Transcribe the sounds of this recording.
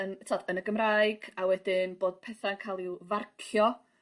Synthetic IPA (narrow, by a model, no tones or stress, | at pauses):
əntʰɔdənəɡəmraɨɡ̥awɛdɪnboːd̥̚pʰɛθaənkʰalˠiwvarkʰjɔ